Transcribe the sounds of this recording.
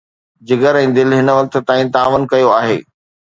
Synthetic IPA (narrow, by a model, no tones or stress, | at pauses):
d͡ʑɪɡəɾɛ̃ːd̪ɪlɦɪnʋɐk̚t̪̆t̪aːĩt̪aːʋənkɐjoaːɦḛː